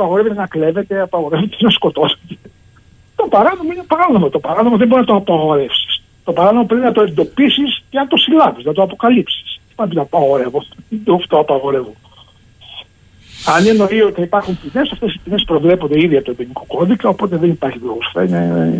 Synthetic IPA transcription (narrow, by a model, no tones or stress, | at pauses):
ɐpɐɣo̞ɾevet̪enɐkle̞ve̞t̪e̞ɐpɐɣo̞ɾe̞vot̪enɐsko̞t̪o̞se̥t̪e̥ | t̪o̞pɐɾɐnomoinepɐɾɐnomot̪o̞pɐɾɐnomoðebo̞ɾinɐt̪oɐpaɣo̞ɾe̞fsi̥s | t̪o̞pɐɾɐnomopɾe̞pinɐt̪oe̞nd̪opisisceɐnt̪o̞silɐviznɐt̪oɐpo̞kɐlipsi̥s | poɾep̪nɐpɐɣo̞ɾe̞vod̪oft̪oɐpɐɣo̞ɾe̞vo | ɐnieno̞iot̪iθɐipɐɾxunt̪inesɐft̪e̞sit̪inespɾo̞vle̞po̞nd̪eiðiɐp̚t̪ond̪enikoko̞ðikɐo̞po̞t̪eðenipɐɾçiðloɣusθeɲɐ